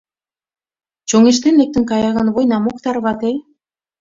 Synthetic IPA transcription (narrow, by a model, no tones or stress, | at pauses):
t͡ɕoŋeʃ̬t̪enlek̚t̪ə̆nkɑjɑɣɑnβojnɑmokt̪ɑɾβɑt̪e